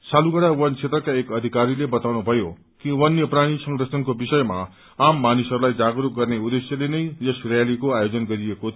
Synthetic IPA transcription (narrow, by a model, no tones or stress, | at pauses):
saluɡʌɽawʌnt͡sʰet̪rʌkaekʌd̪ʱikaɾilebʌt̪awnubʱʌjo | kiwʌnjʌpraɽ̃isʌ̃ŋɡɾʌsʌnkobisʌjma | amːanisɦʌɾulajd͡zaɡɾuk̚ɡʌrneud̪esjʌlenʌjjʌsrjalikoajod͡zʌnɡʌɾieko